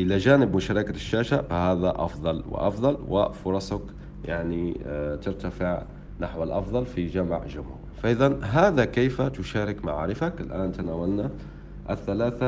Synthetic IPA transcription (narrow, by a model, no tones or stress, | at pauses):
ʔɪlad͡ʒaːnɪbmʊʃɑːɾˤɑkaʃːaːʃaʔfahaːðaʔɑ̰fðˤɑlwɪ̰ʔɑfðˤɑlwɪ̰fʊɾˤɑsˤak | jaʕnit̪ɪɾt̪afɪʕ | naħwalʔɑfðˤɑlfid͡ʒamʕʒʊmhṵːɾfaʔɪðanɦaːðakeːfat̪ʊʃaːɾɪkma̰ʕa̰ːɾɪfakɪlʔaːnt̪anaːwalna | ʔɪθːalaːθa